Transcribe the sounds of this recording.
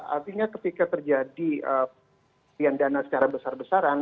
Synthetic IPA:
a̰rt̪iɲakət̪ikat̪ərd͡ʒadiə | iandanasə̥t͡ʃaɾabəsarbəsaɾan

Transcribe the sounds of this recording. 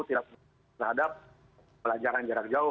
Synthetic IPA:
t̪idak̚ | t̪ərɦadap̚ | pəlad͡ʒaɾand͡ʒaɾak̚d͡ʒaʊ

